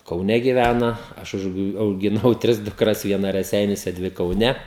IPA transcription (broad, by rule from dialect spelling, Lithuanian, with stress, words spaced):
kɐʊˈnʲɛ ɡʲɪˈʋʲænɐ ˈɐʃ ʊʃ ɐʊɡʲɪˈnɐʊ ˈtʲrʲɪs dʊkˈrɐs ʋʲiɛˈnɐ rʲɛˈsʲɛɪnʲuɔsʲɛ ˈdʲʋʲɪ kɐʊˈnʲɛ